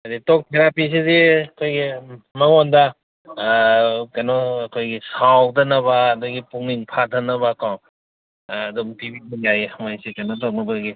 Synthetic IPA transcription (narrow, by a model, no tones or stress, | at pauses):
aditɔk̚pʰeɾapis̬iziɐkʰojɡimɐŋɔnda | kanɔːkʰojɡisawdɐnɐβaːduɡipuŋniŋpʰatʰanɐβakawː | dumtibidijajmajsikanɔtɔk̚nɐbaɡi